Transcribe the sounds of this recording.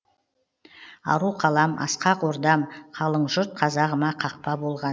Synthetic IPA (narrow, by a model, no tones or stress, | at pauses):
ɑ̰ɾuqʰɑlˠɑmɑ̰sqɑqoɾd̪ɑmqʰɑlˠəɴʒʊɾt̪̚qʰɑzɑʁəmɑqʰɑq̚pɑbo̞lˠʁɑ